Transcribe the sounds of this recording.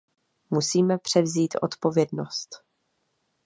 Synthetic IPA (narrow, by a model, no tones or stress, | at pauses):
musiːmɛpr̝̥ɛvziːt̪ʔo̞̰t̪po̞vjɛdno̞st̪